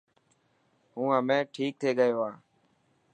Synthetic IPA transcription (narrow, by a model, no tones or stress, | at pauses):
ɦũːəmẽːʈʰiːk̚t̪ʰeːɠəjoːaː